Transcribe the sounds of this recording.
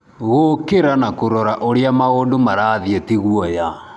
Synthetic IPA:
ɣokeɾanakoɾɔɾaʔoɾeamaɣoːndomaɾaːðietiɣwɔja

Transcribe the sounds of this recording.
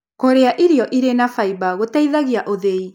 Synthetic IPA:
koɾeaʔiɾiɔʔiɾenafaiβaɣotaiðaɣiaʔoðei

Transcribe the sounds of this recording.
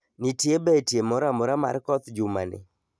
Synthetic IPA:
nitjebetjemɔɾamɔɾama̰rkɔt̪d͡ʒuma̰nɪ̰

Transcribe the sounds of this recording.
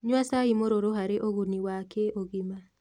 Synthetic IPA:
ɲwasaimoɾoɾoɦaɾeʔoɣuniwakʰeʔoɣima

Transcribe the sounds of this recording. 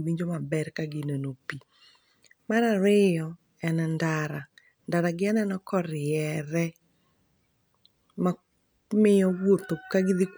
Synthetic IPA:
wiɲd͡ʒomabɛrkaɡɪnenopi | maɾaɾɪjɔ | ɛnɛndaɾa | ndaɾaɡɪɛnɛnɔkɔɾɪjɛɾɛ | ma | mɪjɔwwot̪okaɡiðik

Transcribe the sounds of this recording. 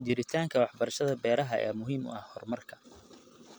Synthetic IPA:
d͡ʒɪɾɪt̪ʰaːŋkʰɐwɑħbɐɾɐʃɐðɐbɛːɾɐɦɐʔɛ̰ːmʊɦiːmʊ̰ʔɐhhɔrmɐrkʰɐ̥

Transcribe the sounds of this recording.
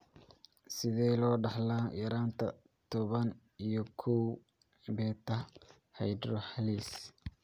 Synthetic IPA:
sɪðɛlɔːɖɑħlaːjɐɾaːnt̪ʰɐ̰ | t̪ʰɔβɐn | ijɔkʰɔw | bɛːt̪ʰɐ | hɑjd̪ɾɔħɑliːs

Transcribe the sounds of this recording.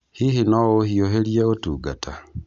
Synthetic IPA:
hihinɔohioɦeljeotuɡatʰa

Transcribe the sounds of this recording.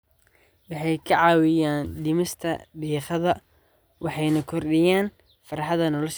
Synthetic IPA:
wɑħɑjkʰɐʕɑːwɪjaːnɖɪmɪst̪ʰɐbiːχɐðɐ | wɑħɑjnɐkʰɔrɖɪjaːn | fɐɾɑħɑðɐnɔlɐʃ

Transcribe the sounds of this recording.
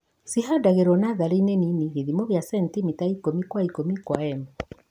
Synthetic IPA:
siɦadaɣeɾwɔnaðaɾiineniniɣiðimɔβjasɛntimitaikomikwaikomikwaɛmɛ

